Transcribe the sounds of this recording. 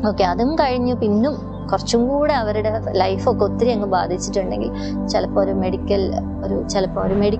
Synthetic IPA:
o̞ːkːeɐðumkɐɻiɲːupinːum | kurɐt͡ɕːumkuːɽeɐʋɐɾuɽe̞lɐjfokːeot̪ːiɾiɐŋːɐba̰ːd̪ʱit͡ɕːi̥ʈːuɳɖe̞ŋɡḭl | t͡ɕelɐpːoːoɾume̞ɽikʲːɐl | o̞ɾut͡ɕelɐpːoːmoɾumeɽik

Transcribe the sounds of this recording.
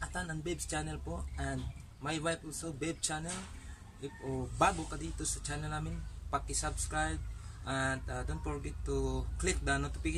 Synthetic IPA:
ʔɐt̪anɐŋbɛbst͡ʃaːnɛlpoʔʔɛnd̪̚ | majwajp̚ɔlsobɛb̚t͡ʃanɛl | ʔobaːɡokɐd̪iːt̪osɐt͡ʃaːnɛlnaːmɪnpɐkːɪsabskɹajb̚ʔɐnd̪ad̪ont̪foɹɡɛt̪ːuklɪk̚d̪anot̪ʊpiɡɪ

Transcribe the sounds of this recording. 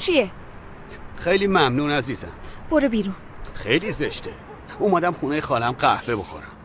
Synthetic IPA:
t͡ʃʰie | xejliːmæmnuːnæziːzæ̰mb̥oɾebiɾun | xe̞jliːzeʃt̪ʰe | omæd̪æmxuːnejexɒːlæmɢæhveboxo̞̰ɾæm

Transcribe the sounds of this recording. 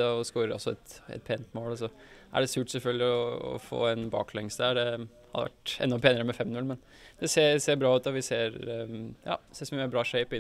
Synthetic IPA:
ɛɔskoːɾəɾʔɔ̰sɔɛ̰t̪ɛ̰t̪̚pʰeːnət̪moːlɔs̬ɔ | ʔæ̰ɖɛsʉːʈsɛlfœlɡ̪lɪɔɔ̰fo̰ːɛnbɑ̰ːklɛŋsəæɖɛ | hɑ̰d̪ə̰ʋæ̰ʈɛ̰nːɔpʰeːnɪəɾəmɛfɛmnʉlmɛn | d̪ɛseːseːbɾɑːʉːt̪ɔʋɪseːɾjɑ̰ːseːsɔmmɛbɾɑːʂeɪpɪ

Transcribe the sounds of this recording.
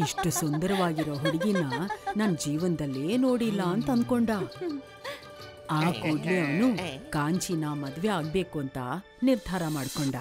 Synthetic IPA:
iʂʈusund̪ɐɾɐʋaːɡiɾoːɦoɽiɡinːɐnɐnɐd͡ʒiːʋɐnd̪ɐlːeːno̞ːɽilːɐːnt̪ɐɐnd̪̚ko̞ɳɖaː | aːkoːɖliaːnukaːɲt͡ʃinaːmɐd̪ʋeaːɡ̚be̞ːkuɐnt̪ɐ̰ | niɾd̪ʱaːɾɐmaːɽkoɳɖɐ

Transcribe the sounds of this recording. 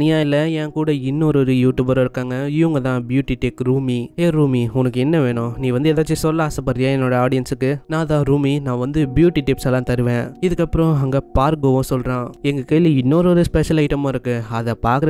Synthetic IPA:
nɪjaːɪlːɐɛ̃ːkuːɽɐɪnːoːɾɔɾɯjuːʈjuːbɐɾoɪɾɯkːaːŋɡɐɪʋɐŋɡɐt̪ãːbjuːʈiʈekɾuːmieːɾuːmiʊnɐkːɯɛnːɐʋeːɳʊ̃nĩːʋɐnd̪ɯɛðaːt͡ʃːisɔlːɐːsɐpːɐɾɪjaːɛnːoːɽɐaːɽɪjɐnsɯkːɯnãːt̪ãːɾuːminãːʋɐnd̪ɯbjuːʈiʈɪpsɛlːãːt̪ɐɾɯʋẽːɪðɯkːɐpːɯɾõɐŋɡɐpaːɾkɡoːʋɐ̃sɔlɾãːɛŋɡɐkeːɭʋiɪnːoːɾɔɾɯspɛʂɐlɐɪʈɐmãːɪɾɯkːɯɐðɐpaːɾkɾɐ

